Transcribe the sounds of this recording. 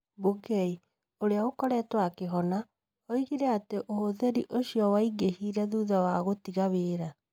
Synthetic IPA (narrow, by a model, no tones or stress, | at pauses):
buɡɛi | oɾeaɣokɔɾɛːtwakeɦɔna | ɔiɣiɾɛateʔohoðɛɾiʔoɕiɔwaiɡehiːɾɛðuːðawaɣotiɣaβeːɾa